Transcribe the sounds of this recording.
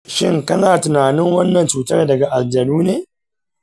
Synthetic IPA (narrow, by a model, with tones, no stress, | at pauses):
ʃɪ˦ŋkɐ˦naː˨tʊ˨naː˨nɪ˦ŋwɐ˦nːɐ˨nt͡ʃuː˨tɐ˦rdɐ˨ɡa˨ʔa˨ld͡ʒɐ˨ɽuː˦neː˦˨